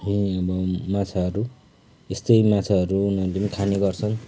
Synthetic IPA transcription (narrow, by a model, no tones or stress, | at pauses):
ɦũʌbʌmat͡sʰaɦʌɾu | est̪ʌjmat͡sʰaʌɾuunʌlemkʰaneɡʌrt͡sʰʌn